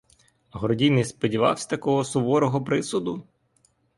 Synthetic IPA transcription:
ɦɔɾɔdʲinɪjspɔdʲiʋɑ̰wsʲɐ̥t̪ɐkɔɦɔsʊʋɔɾɔɦɔpɾɪsʊd̪ʊ

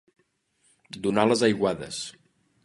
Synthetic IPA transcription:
d̪unaləzəjɣwaðə̰s

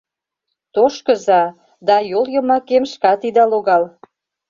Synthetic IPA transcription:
t̪oʃkə̆zɑ | d̪ɑjoljɤ̆mɑkemʃkɑt̪id̪ɑloɣɑl

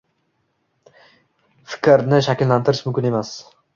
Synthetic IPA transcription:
fɪ̥kʲʰɾnɪʃakʲɪllant̪ʰɪɾɪʃmʊmkʲɪne̞mas

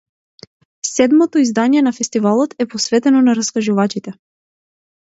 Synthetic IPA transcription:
sɛd̪mɔt̪ɔizd̪anijɛnafɛst̪ivalˠɔt̪ɛpɔsvɛt̪ɛnɔnaɾaskaʒuvat͡ʃit̪ɛ

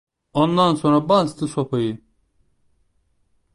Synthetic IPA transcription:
ond̪ansonɾabanst̪ʰɯsopʰajɯ

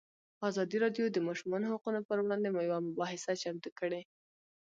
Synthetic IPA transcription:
ɑzɑd̪iɾɑɖjod̪əmɑʃumɑnoɦaqunopəɾwɽɑnd̪emujawamʊbɑɦɪsat͡ʃamt̪ukəɽe

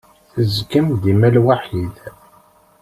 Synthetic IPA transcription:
θəzkəmd̪imælwaħið

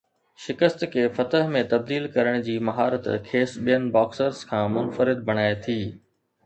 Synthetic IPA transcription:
ʃɪkəst̪kʰeːfɐt̪əɦmẽt̪ɐb̚d̪iːlkɐɾəɽ̃d͡ʑiːmɐɦaːɾət̪kʰeːsɓijənɪ̆baːksəɾzkʰãːmʊnfəɾɪd̪̚bʱɐɽ̃aːet̪ʰiː

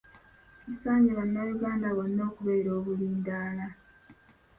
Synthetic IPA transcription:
isaːɲɟeβanːajuɡaːndaβonːo̞ːkuβeiɾo̞ːβuliːndaːla

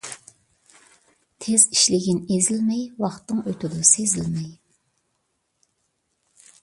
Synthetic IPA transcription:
t̪ʰeziʃlɪɡʲinezɪlmɛjwɑχt̪ːɨŋøt̪ʰɪd̪sezɪlmɛj

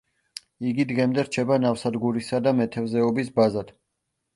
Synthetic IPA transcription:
iɡid̪ʁɛmd̪ɛɾt͡ʃʰɛbanafsad̪ɡuɾisad̪amɛt̪ʰɛvzɛɔbisbazad̪̥

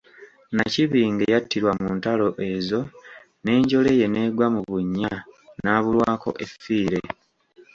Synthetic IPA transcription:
naciβiːŋɡe̞jatːiɾwamuːntalo̞ʔe̞ːzo̞ | ne̞ːɲɟo̞le̞je̞ne̞ːɡwamuβuɲːanaːβulwaːko̞̰ʔefiːɾe̞

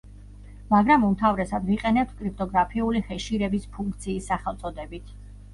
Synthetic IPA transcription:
maɡɾamumt̪ʰavɾɛsad̪viqʼɛnɛp̚t̪ʰkʼɾip̚ʰt̪ʼɔɡɾapʰiulihɛʃiɾɛbispʰuŋkʰt̪sʰiːsːaχɛlˠt̪sʼɔd̪ɛbit̪ʰ

